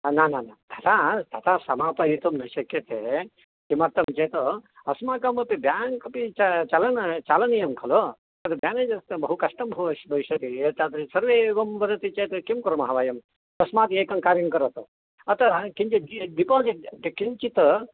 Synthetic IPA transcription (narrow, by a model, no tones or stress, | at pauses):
naːnaːnat̪ʰɐt̪aːt̪ʰat̪aːsɐmaːpɐɦit̪umnɐʃɐkjɐt̪ʰe | k̪imɐɾt̪ɐmt͡ʃeːt̪ɐ | ɐsmaːkɐmɐpibjaːŋkɐpit͡ʃat͡ʃalɐnɐt͡ʃaːlɐnijɐmkʰɐlo | ɐt̪ɐbjaːned͡ʒɐst̪ɐbɐɦukɐʂʈɐmbʱɐɦuɐbʱɐʋiʃɐt̪iet̪at̪isɐɾʋeːʋɐmbɐɾɐt̪it͡ʃet̪ɐkimkuɾɐmɐɦaʋaːjɐm | t̪ɐsmaːt̪eːkɐŋkaːɾjɐŋkɐɾɐt̪ɐ | ɐt̪ɐkiɲt͡ʃiɖiɖipoːziʈʈikiɲt͡ʃit̪ɐ